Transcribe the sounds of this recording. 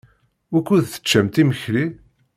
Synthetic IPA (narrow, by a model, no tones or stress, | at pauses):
ækːuðθə̥t͡ʃːæmt̪iməçɾi